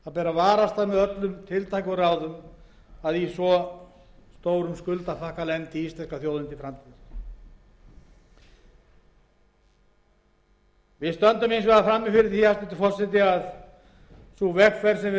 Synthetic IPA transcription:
aðpɛːɾavaːɾast̪aðmɛðœt̪lʏmt̪ʰɪlt̪ʰajkʏɾaːwðʏm | aðisvɔ | st̪oːwɾʏmskʏlt̪afahkalɛnt̪ɪist̪lɛnskaθjowðʏnt̪ɪfɾamt̪ʰið | vɪðst̪œnt̪ʏmejnsvɛðafɾamːɪfɪɾɪɾθiast̪ʏt̪ɪ̥fɔr̥sɛt̪̬ɪað | suvɛkfvɛɾ̥sɛmvɪ

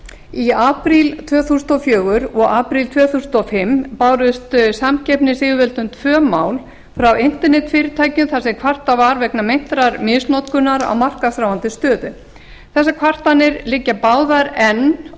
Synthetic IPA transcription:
iaːpɾilt̪ʰvœːθusʏnt̪ɔfjœːɣʏɾɔɣaːpɾilt̪ʰvœːθusʏnt̪ɔfɪmpaːwɾʏst̪samcɛpnɪsɪːɣvɛlt̪ʏmt̪ʰvœːmaːwl | fɾawɪn̥t̪ɛɾnɛt̪fɪːɾɪt̪ʰaːjcʏmθasɪkʰvar̥t̪avaɾvɛknamejn̥t̪ɾaɾmɪsnɔt̪kʏnaɾa̰wmar̥kasɾawant̪ɪst̪œːðʏ | θɛsːakʰvar̥t̪anɪɾlɪcːapaːwðaɾɛn

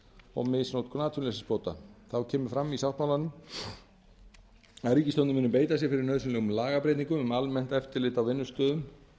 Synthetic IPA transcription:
ɔ̰ɣmɪsnowt̪kʰnaːt̪ʰʏnɛsɪspoːwt̪a̰θawcʰɛːmʏɾ̥fɾamːisawht̪mawlanʏm | aɾicɪst̪ɔnmɪːnʏmp̬eːjt̪asjɛɾfɪɾɪɾnœðsʏnlɛɣʏmlaːɣapɾejt̪niŋkʏmʏmalmɛn̥t̪ɛft̪ɪɾlɪːt̪awvɪnːʏst̪œːðʏm

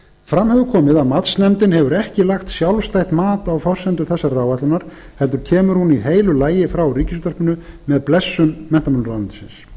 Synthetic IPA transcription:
fɾamhœːvʏkʰɔːmɪðaðmat̪snɛmt̪ɪnɦɛvʏɾɛhcɪlaxt̪sjawlst̪ajht̪maːt̪awfɔr̥sɛnt̪ʏɾθɛsːaɾrawvajt̪lʏnaɾ̥ | hɛlt̪ʏɾ̥cʰɛːmʏɾhuniɦeːjlʏlaːjɪfɾawriːcɪst̪œrpʏnʏmɛðplɛsːʏmmɛnt̪amanʏɾlansɪ̰ns

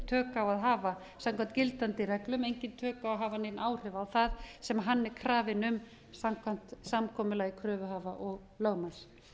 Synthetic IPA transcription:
t̪ʰœːkawaðɦaːva | samkʰant̪cɪlt̪ant̪ɪrɛklʏmejɲcɪnt̪ʰœːkawɦaːvanejnʔaːwr̥ʏvaːwθaðsɛmaɦanːɛɾkʰɾaːvɪnʏm | samkʰvam̥t̪samkʰɔːmʏlaɣikʰɾœːvʏɦaːvaʔɔɣ | lœɣmas

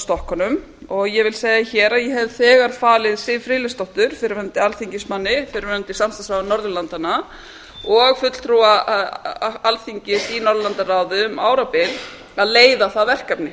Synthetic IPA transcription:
st̪ɔhkɔnʏm | ɔɣjɛvɪlseːjɣaçɛːɾaðjɛɦɛvθɛːɣaɾ̥faːlɪðsɪvfɾɪːlɪst̪ɔht̪ʏɾ̥fɪɾɪvœnt̪ɪalθiɲcɪsmanːɪfɪɾɪɾvœnt̪ɪsamsasanɔɾðʏlant̪ana | ɔɣfʏt̪l̥t̪ʰɾuwa | alθiɲcɪsinɔɾðʏlant̪araːwðɪʏma̰ːwɾapɪl | aðleːjðaθaðvɛr̥kapnɪ

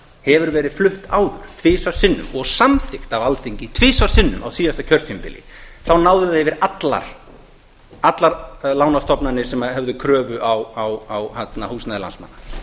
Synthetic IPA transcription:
hɛvʏɾvɛːɾɪð̥flʏht̪aːwðʏɾ̥t̪ʰvɪːsav̥sɪnːʏ̰mɔɣsamθɪxt̪avalθiɲcɪt̪ʰvɪːsavsɪnːʏ̰ma̰wsiːjast̪acʰœr̥t̪ʰʏmpɪ̰lɪ̰θawnaːwðʏðɛvɪɾat̪la̰ɾ̥ | at̪laɾlaːwnḁst̪ʰɔpnanːɪsɛmahɛvðʏkʰɾœːvʏʔawawawhat̪nahuːsnaðɪla̰nsmanːḁ

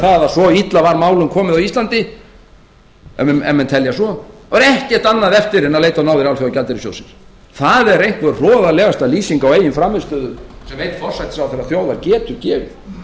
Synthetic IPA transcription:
θaðasɔit̪lavaɾmaːwlʏmkʰɔːmɪðawist̪lant̪ɪ | ɛ̰mːɛnt̪ʰɛljasɔaɾɛhcɛht̪anːaðɛft̪ɪɾɛnaðlejt̪anaːwðɪɾawlfjawcat̪ɪɾɪsjo̰wsɪns | θaðɛɾejŋ̥k̪vɛɾrɔːðalɛːɣast̪aliːsiŋkaɔweːjɪnfɾamːɪst̪œːðʏmsɛmveːjt̪fɔr̥sajt̪ɪ̥sawθɛɾːaθjowðaɾcɛːt̪ʏɾcɛːvɪ

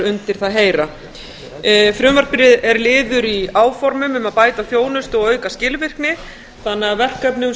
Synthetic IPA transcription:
ʏnt̪ɪɾ̥θaðɦeːjɾa | fɾjʏːnvaɾ̥pɪɾɪðɛɾlɪːðʏɾiaːwfɔɾmʏmʏmaðpaːjt̪aθjoːwnʏst̪ɔɣœːɥkascɪːlvɪr̥knɪ | θanːɛavɛr̥kœpnɪ

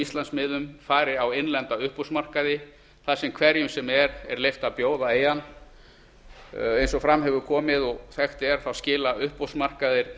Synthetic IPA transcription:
ist̪lansmɪːðʏmfaːɾɪawejnlɛnt̪aʏhpowsmar̥kaðɪ | θaðsɛmkʰvɛɾjʏmsɛmɛɾɛɾlejft̪apjoːwðaeːjan | ejnsɔfɾamɦɛvʏɾkʰɔːmɪðɔɣθɛxt̪ɪɛɾ̥θawscɪːlaʏhpowsmar̥kaðɪɾ̥

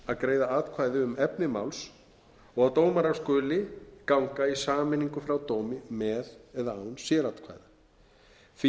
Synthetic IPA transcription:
aðkɾeːjðaaːt̪kʰvaːjðɪʏmɛpnɪma̰wls | ɔɣaðt̪oːwmaɾaskʏːlɪkawŋkaisaːmɪniŋkʏfɾawt̪owmɪmɛðɛðaawnsjɛɾaːt̪kʰva̰ːjða | f

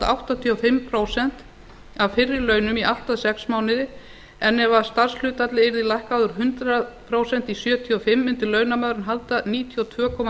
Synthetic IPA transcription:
awht̪at̪ʰiɔfɪmpʰɾoːwsɛn̥t̪ | avfɪrːɪɾlœːɥnʏmiʔaht̪aðsɛksmaːwnɪðɪ | ɛnːɛvast̪ar̥sl̥ʏːt̪at̪lɪɪɾðɪlajhkawðʏɾɦʏnt̪ɾapʰɾoːwsɛn̥t̪isjœːt̪ʰiɔfɪmːʏnt̪ɪlœːɥnamaːwɾʏnɦalt̪aniːt̪ʰiɔwt̪ʰvœːkʰɔːma

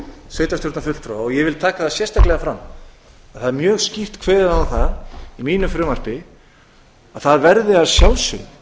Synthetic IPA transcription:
sveːjt̪asjowɾt̪nafʏt̪fɾaɔɣjɛvɪlt̪ʰaːkḁθaðsjɛrst̪aklɛɣafɾamː | aðθaðɛɾmjœːɣscift̪kʰvɛːðɪawθaðimiːnʏfɾʏːmar̥pɪ | aðθaðvɛɾðɪaðsjaw̪sʏ̰

